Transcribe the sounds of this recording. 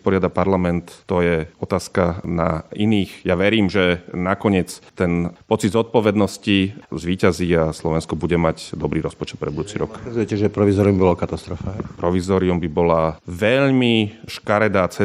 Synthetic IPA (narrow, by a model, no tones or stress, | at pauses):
spɔɾɪad̪apaɾlamɛnt̪ːɔjɛɔt̪aːskana̰iniːxjaʋɛɾiːmʒɛnakɔɲɪɛt͡st̪ɛnpɔt͡sid̪zɔt̪̚pɔʋɛd̪nɔscizʋiːcaziaslɔʋɛnskɔbuɟɛmaɟd̪ɔbɾiːɾɔspɔt͡ʃɛ̥t̪pɾɛ̰d̪bud̪uːt͡siɾɔ̰kɛzujɛcɛʒɛpɾɔʋizɔːɾiumbibɔlakat̪ast̪ɾɔfaːpɾɔʋizɔːɾiumbibɔlaʋɛʎmiʃkaɾɛd̪aːt͡sɛ